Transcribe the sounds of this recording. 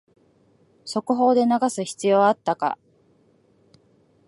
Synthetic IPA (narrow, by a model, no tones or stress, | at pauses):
so̞kɯ̟ɦo̞ːd̪e̞naɡasɨçi̥t͡sɨjo̞ːat̪ːaka̰